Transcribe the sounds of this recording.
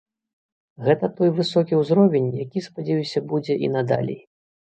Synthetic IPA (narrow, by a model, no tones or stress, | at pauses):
ɣɛt̪ɐt̪ɔjvɨsɔkʲiwzɾɔvʲenʲjakʲispad͡zʲɛjusʲɐbud͡zʲɛʔḭnɐd̪a̰lʲɛ̰j